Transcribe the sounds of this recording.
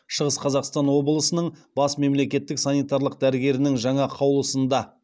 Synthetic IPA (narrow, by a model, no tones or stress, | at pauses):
ʃəʁəsqʰɑzɑqst̪ɑnwo̞bəlˠəsənəɴbɑsme̞mle̞kʲe̞t̪ːɪksɑnijt̪ɑɾlˠəq̚d̪æɾɪɡʲe̞ɾɪnɪŋʒɑɴɑqʰɑwlˠəsənd̪ɑ